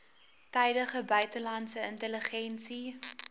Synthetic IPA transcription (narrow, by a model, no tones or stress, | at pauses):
tɛjdəχəbœɥtəlɐntsəəntələχɛnsi